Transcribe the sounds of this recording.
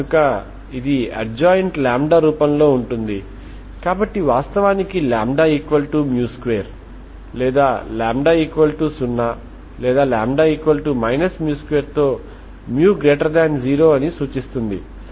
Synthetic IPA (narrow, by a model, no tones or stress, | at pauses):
ukɐ | id̪iɐd͡ʒaːjɳʈlaːmɖaːɾuːpɐmlo̞ːuɳʈund̪i | kaːbɐʈːiʋaːst̪ɐʋaːnikilaːmɖaːiːkʋɐlʈumjuːskʋejɐɾ | lɛːd̪aːlaːmɖaːiːkʋɐlʈusunːaː | lɛːd̪aːlaːmɖaːiːkʋɐlʈumɐjnɐsmjuːskʋeːɾt̪o̞ː | mjuːɡɾeːʈɐɾd̪aːnd͡ʒiːɾo̞ːɐnisuːt͡ʃist̪und̪i